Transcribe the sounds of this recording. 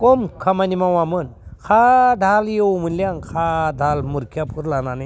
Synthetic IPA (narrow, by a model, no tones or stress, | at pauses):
kɔmkʰamanimawamɯnkʰadʱalijowmɯnlijaŋkʰadʱalmuɾkʰijapʰuɾlanane